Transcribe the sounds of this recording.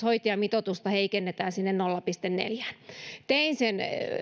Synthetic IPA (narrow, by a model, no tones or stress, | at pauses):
hoit̪iɑmit̪ot̪ust̪ɑheikenːet̪æːnsinːennolːɑpist̪ennḛljæːnt̪einsen